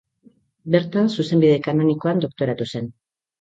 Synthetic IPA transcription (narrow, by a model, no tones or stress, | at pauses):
be̞ɾt̪ansuse̞mbiðe̞kano̞niko̞and̪o̞k̚t̪o̞ɾat̪use̞n